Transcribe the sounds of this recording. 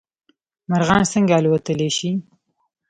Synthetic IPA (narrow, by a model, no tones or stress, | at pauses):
maɾɣɑnsəŋɡaːlwat̪əleʃi